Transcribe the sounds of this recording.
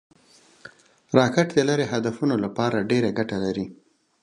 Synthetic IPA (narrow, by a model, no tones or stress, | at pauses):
ɾɑkɪʈd̪əlaɾeɦad̪afunolapɑɾaɖeɾaɡaʈalaɾi